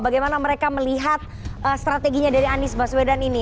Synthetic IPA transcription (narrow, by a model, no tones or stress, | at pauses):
baɡajmanaməɾekaməliɦat̪̚ | ʔəst̪ɾat̪eɡiɲadaɾianɪsbaswedanini